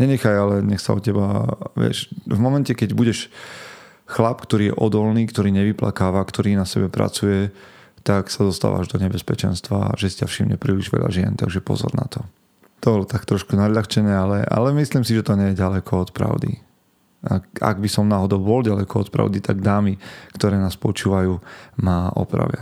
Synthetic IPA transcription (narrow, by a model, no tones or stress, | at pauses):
ɲɛɲɛxajalɛɲɛxsa̰ɔcɛbaʋɪɛ̰ʃvmɔmɛncɛkɛɟbuɟɛʃ | xlapkt̪ɔɾiːjɛ̰ʔɔd̪ɔlniːkt̪ɔɾiːɲɛʋipla̰kaːʋakt̪ɔɾiːnasɛbɛpɾa̰t͡sujɛ | t̪aksad̪ɔst̪a̰ːʋa̰ːʒd̪ɔɲɛbɛspɛt͡ʃɛnst̪ʋa̰ʒɛsicafʃimɲɛ̰pɾiːliʒʋɛ̰ʎa̰ʒɪɛ̰nt̪aɡʒɛpɔ̰zɔ̰ɾna̰t̪ɔ | t̪ɔbɔlt̪akt̪ɾɔʃkunaʎaxt͡ʃɛɲɛalɛʔa̰lɛmisliːmsiʒɛt̪ɔɲɛjɛɟalɛkʰɔɔt̪pɾa̰ʊd̪ḭ | aa̰ɡbisɔmnaːɦɔd̪ɔʊbɔlɟalɛkɔɔt̪pɾa̰ʊd̪it̪aɡd̪aːmikt̪ɔɾɛːnaːspɔt͡ʃuːʋajuːmaːʔɔ̰pɾa̰ʋɪa̰